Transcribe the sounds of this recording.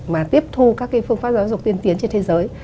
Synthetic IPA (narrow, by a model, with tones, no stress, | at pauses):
maː˨˩t̪i˦˥əp̚t̪ʰu˧kaː˦˥kːa˨˦fɨ˧əŋfaː˦˥zaː˨˦wzʊ˨˩k͡p̚t̪i˧ənt̪i˨˦ənt͡ɕe˧nt̪ʰzəː˨˦j